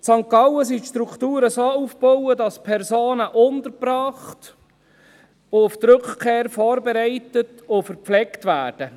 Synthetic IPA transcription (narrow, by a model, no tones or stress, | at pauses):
sɑŋkɑwəsiʃtɾukʰtuːɾəsoːufb̥ɔwədɑspʰɛɾsoːnəʔʊntəɾprɑːχt | ʊʊft̪ɾʏkχkʰeːɾfɔːɾbɛɾɛɪtət | ʊfəɾpflɛktvæːrd̥ə